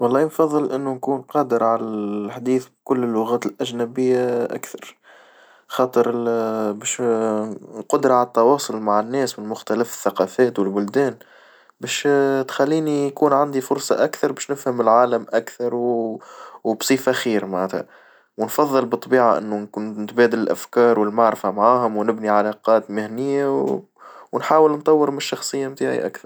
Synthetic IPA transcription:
wɑlˤːɑːnfɑðˤːɨlʔɪnːunkuːnqɑːd̪əɾʕalælħd̪iːθbkʊlːlːʊɣæːt̪ɪlʔæʒnæbɪjːaʔa̰kθɑɾˤ | xɑːt̪ˤəɾbɛːʃ | qʊd̪ɾˤɑʕalæt̪ːɑwɑːsˤʊlmaʕɪnːɛːsmɪnmʊxt̪ælɪfɪ̥θːaqɑːfæːt̪wɪlbʊld̪æːn | bɛːʃt̪xælːiːnikuːnʕand̪ifʊɾsˤɑ̰ʔakθɑɾˤbɛːʃnɪfhamɪlʕaːləmʔakθɑɾˤw | wbsˤiːfaxiːɾmaʕnæt̪ha̰ | wɪnfɑðˤːɨlbɨt̪ˤːbiːʕaʔɪ̰nːunkʊnɪt̪bæːd̪ɪlɪlʔæfkɑːɾˤwɪlmaʕɾfamʕaːhʊmwnɪbniʕalɑqɑːt̪mɪhnɪjːaw | wnħaːwəlnt̪ˤɑwːəɾmʃːɑxsˤɨjːamt̪aːʕḭʔa̰kθɑɾ

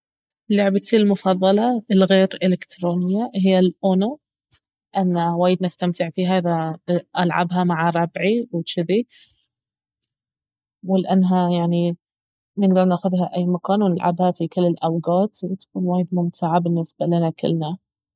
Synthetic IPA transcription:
lːʊʕbat̪ilmʊfɑðˤːɑlɑɪlɣeːɾʔɪlɪkt̪ɾoːnɪjːaɦɪjːalʔoːno | ʔanːawaːjɪd̪nast̪amt̪ɪʕfiːɦaʔɪðaʔalʕa̰bɦamaʕaɾˤɑbʕiwɪt͡ʃɪði | wɪlʔanːɦajaʕni | nɪɡd̪ɑɾˤnaːxʊðɦaʔajːmakaːnwnɪlʕa̰bhafikɪlːɪlʔawɡɑːt̪wɪt̪ḁkuːnwaːjɪd̪̚mʊmt̪ʰɪʕabɪnːɪsbalɪnakɪ̰lːna

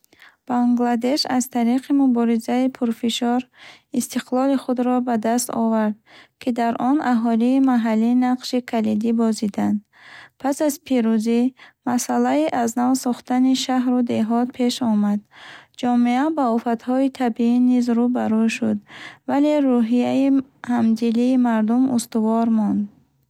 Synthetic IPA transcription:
b̥aŋɡlad̪e̞ʃazt̪ʰaɾiqʰimubɔɾizaipʰuɾfiʃɔɾist̪ʰiqʰlɔliχud̪ɾɔbad̪ast̪ɔ̰vaɾd̪kʰid̪aɾʔɔnʔaɦɔliːmaɦalːiːnaqʃikʰalid̪ibɔzid̪and̪ | pʰasazpʰiɾuzimasalaiʔaznavsɔχt̪aniʃaɦɾud̪e̞ɦɔt̪̚pʰe̞ʃɔmad̪d͡ʒɔmiabaufat̪hɔit̪ʰabiinizɾubaɾuʃud̪vale̞ɾuɦiaihamd̪iliːmaɾd̪umʔṵst̪uvɔɾmɔnd̪

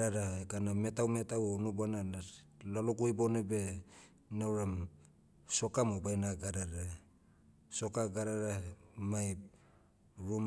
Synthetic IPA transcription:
aɾaekaname̞tawme̞tawonubananalalukujbonebe̞ | nawɾam | so̞kamobajnaɡaɾaɾa | so̞kaɡaɾaɾamaj | ɾum

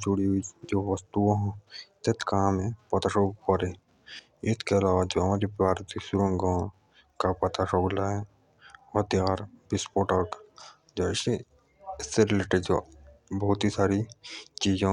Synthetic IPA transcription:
d͡ʒʊɽiɦuid͡ʒoːʋəst̪uõɦt̪et̪kamẽpɐt̪aʃoɡkɔɾe | ɪt̪keɐlaːʋad͡ʒoɦɐmaːɾepaːɾt̪isʊɾə̃ŋɡõ | kapɐt̪aʃoːɡlaɦɛ | ɔɾt̪jaːɾbɪspoːʈək | d͡ʒoːɪse | ɪsːeɾɪleːʈeɖd͡ʒobɐɦʊt̪isaːɾit͡ʃiːzã

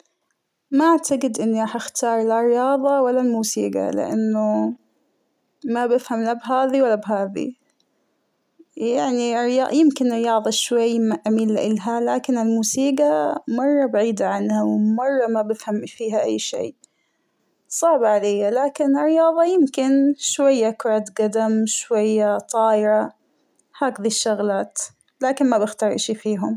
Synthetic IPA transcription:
maʔaʕt̪aɡɪd̪ʔɪnːiɾɑːħaxt̪ʰɑːɾˤlarːɪjɑːðˤɑwalːalmuːsḭːɡa̰lɪ̰ʔanːʊ | mabɪfhamlabɦaːðiwalːabɦaːðḭ | jaʕnirɪjɑːʔjɪmkɪnɾɪjɑːðˤɑʃwajːmaʔamiːlːaʔɪlɦalaːkɪnɪlmuːsiːɡamɑrˤːɑbaʕiːd̪aʕanhawmɑrˤːɑmabɪfhamfiːɦaʔajːʃḛː | sˤɑʕbaʕalejːalaːkɪnɪrːɪjɑːðˤɑjɪmkɪnʃwajːakɾˤaːd̪ɡad̪amʃwajːat̪ˤɑːʔɪɾˤɑ | haːkðiʃːʊɣlaːt̪ | laːkɪnmabɪxt̪ɑːɾˤʔaʃifiːɦʊm

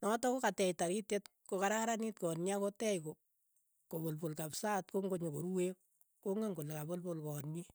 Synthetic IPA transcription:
nɔtɔkokatɛjtaɾitjetkokaɾaɾanitkɔnɲakotɛjko | kobolpolkapsaːtkoŋɡoɲokoɾuwek̚ | koŋeŋkolekabolpolkɔːnɲi

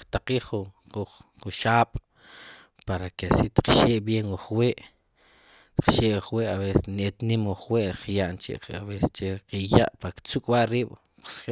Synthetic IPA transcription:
kt̪aqiːχu | u | uʃaːɓ̥ | paɾakesit̪qʃeːʔbjeŋuχweːʔ | t̪i̥q͡χʃeʔwuχweʔaβesenet̪nimuχweʔɾχjaʔnt͡ʃḛʔqaβeset͡ʃeqija̰ʔpakt͡sukʼwaʔɾiːɓ̥

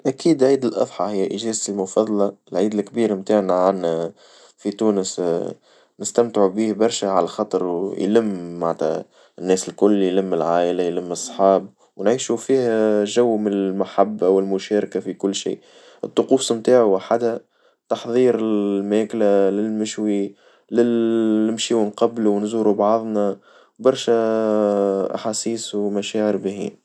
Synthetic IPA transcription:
ʔækiːd̪lʕiːd̪ɪlʔɑ̰ðˤħɑhɪjːæʔɪʒɛːzɪlmʊfɑðˤɑlɑɪlʕiːd̪ɪlkːbiːɾmt̪aːʕnaʕanː | fit̪uːnəs | nɪst̪æmt̪ʕubiːhbɑɾˤʃæʕalæxɑt̪ˤɑɾjlɪmːaʕt̪æ̰ | ɪnːɛːsɪlkʊlːjlɪmːɪlʕaːʔɪlajlɪmːɨsˤːħɑːb̚ | wnʕiːʃufiːhæʒæwːmɪnɪlmaħabːwɪlmʊʃæːɾkafikʊlːʃḭː | ʔɨt̪ˤːʊquːsˤmt̪aːʕuʔaħad̪hæ | t̪ɑħðˤiːɾɪlmæːklalɪlmɪʃwi | lɪlɪmʃiːwɪnqɑbluwnzuːɾubɑðˤna | bɑɾˤʃæ | ʔa̰ħasiːswmæʃæːʕəɾbɪhḭːn

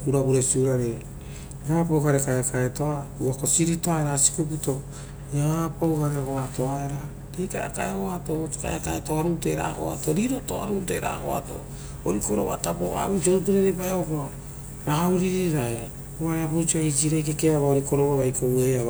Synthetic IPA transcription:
uɾaβuɾesiuɾaɾe | apowɡaɾekajakaetoauakosiɾitoaeɾasi̥kuputo | japowɡaɾehoato̞aeɾa | ɾejkaja̰ka̰eoatoka̰jakaetoaɾuteɾa̰ho̰a̰toɾiɾoto̰a̰ɾutḛɾa̰ho̰a̰to̰ | oɾikoɾo̰βa̰tapoa̰ɾud͡ʒot̬uɾeɾebaeopo | ɾahauɾiɾiɾae | βaɾeapuɾt͡ʃiaid͡ʒiɾajkekeaβaoɾiko̞ɾoβaβajkʰowea

